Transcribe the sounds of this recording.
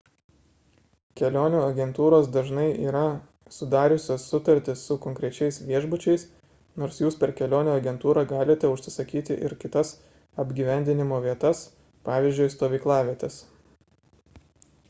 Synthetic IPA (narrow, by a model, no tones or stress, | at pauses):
kʲɛlʲoːnʲuːɐɡʲɛnt̪uːɾoːsd̪ɐʒnɐɪʔiːɾɐ | sʊd̪ɑːɾʲʊsʲoːsʊt̪ɐɾʲt̪ʲɪsːʊkɔŋʲkɾʲɛt͡ʃʲɛɪsʋʲiɛʒbʊt͡ʃʲɛɪs | noːɾsjuːspʲɛɾkʲɛlʲoːnʲuːɐɡʲɛnt̪uːɾɑɡɑːlʲɪt̪ʲɛʊʃʲsʲɪsɐkʲiːt̪ʲɪʔɪ̰ɾkʲɪt̪ɐs | ɐbʲɡʲiːʋʲɛnʲd̪ʲɪnʲɪmoːʋʲiɛt̪ɐs | pɑːʋʲiˑzʲd͡ʒʲʊɪst̪oːʋʲiːklˠɑːʋʲiɛt̪ʲɛs